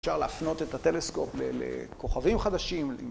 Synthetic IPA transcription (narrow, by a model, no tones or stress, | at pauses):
ʃaʁlaːfno̞t̪e̞t̪at̪e̞le̞sko̞plḛlḛko̞χavimχad̪aʃimḭ